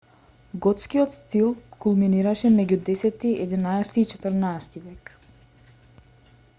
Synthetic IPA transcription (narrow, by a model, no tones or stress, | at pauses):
ɡɔt̪skiɔt̪st̪ilˠkulˠminiɾaʃɛmɛɟud̪ɛsɛt̪iɛd̪inaɛst̪iːt͡ʃɛ̥t̪əɾnaɛst̪ivɛk